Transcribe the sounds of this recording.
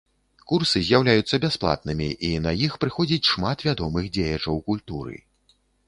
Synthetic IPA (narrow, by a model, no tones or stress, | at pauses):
kursɨzʲjawlʲajut̪sːɐbʲasplˠa̰t̪̚nɨmʲiʔinɐjixpɾɨxɔd͡zʲit͡sʲʂmat̪vʲad̪ɔmɨxd͡zʲejɐt͡ʂɐwkulʲt̪uɾɨ̰